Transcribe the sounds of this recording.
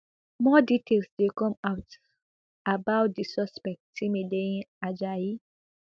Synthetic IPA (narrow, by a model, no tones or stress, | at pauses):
mɔditʰelsdekɔ̃maʊt | abaʊt̚disɔspɛk̚tĩmedeĩad͡ʒaji